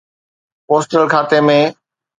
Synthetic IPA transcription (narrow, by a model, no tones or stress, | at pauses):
poːsʈəlkʰaːt̪emẽ